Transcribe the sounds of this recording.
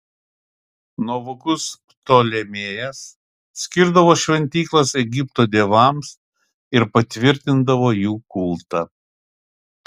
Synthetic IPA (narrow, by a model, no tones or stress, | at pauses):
noʋʊkʊs | t̪oːlʲɛmʲeːjɛs | sʲkʲɪɾd̪ɐʋoːʃʲʋʲɛnʲt̪ʲiːklˠɐsɛɡʲɪpt̪oːd̪ʲeːʋɐˑms | ɪɾpɐt̪ʲʋʲɪɾʲt̪ʲɪnd̪ɐʋoːjuːkʊlˠt̪ɐ